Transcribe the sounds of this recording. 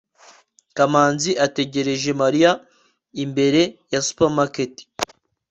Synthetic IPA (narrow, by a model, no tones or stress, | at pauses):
kamaːnziʔate̞ɟe̞ɾe̞ʒe̞maɾija | imbe̞ɾe̞jasu̥pamaketi̥